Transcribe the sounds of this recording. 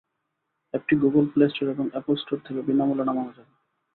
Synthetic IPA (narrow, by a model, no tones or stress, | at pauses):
ek̚ʈiɡuɡolplesʈoɾeboŋɛpəlsʈoɾt̪ʰekebinamulanamɔɦod͡ʑaɾ